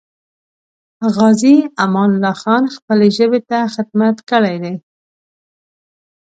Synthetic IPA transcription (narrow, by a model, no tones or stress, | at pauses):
ɣɑziamɑnlɑxɑnxpəleʒəbet̪axɪd̪̚mat̪kəɽajd̪ej